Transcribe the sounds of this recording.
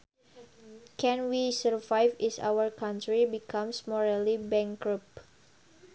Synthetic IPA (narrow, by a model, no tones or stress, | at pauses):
kɛ̃nwisəɹvajfisa̰wərkãnt̪ɾibikʰãmsmɔɹalibɛ̃ŋkɹup̚